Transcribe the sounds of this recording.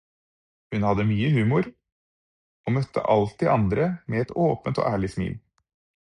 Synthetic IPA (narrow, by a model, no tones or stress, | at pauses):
hʉnhɑd̪əmyːəhʉːmʊɾ | oːmœt̪ʰːə̰ʔɑlt̪̚d̪ɛʔɑnd̪ɾəmeːɛt̪oːpət̪o̰ːʔæːɭɪsmḭːl